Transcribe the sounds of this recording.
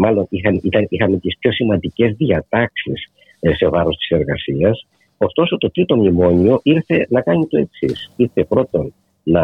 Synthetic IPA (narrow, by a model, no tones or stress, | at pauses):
mɐlo̞nixɐnit̪ɐnixɐme̞t̪ispço̞simɐnd̪ice̞zðiɐt̪ɐksis | se̞vɐɾo̞st̪i̥se̞ɾɣɐsiɐs | o̞st̪o̞so̞t̪o̞t̪ɾit̪o̞mimo̞ɲio̞ʔiɾθe̞nɐkɐɲit̪o̞e̞ksisiɾθe̞pɾo̞t̪o̞n | nɐ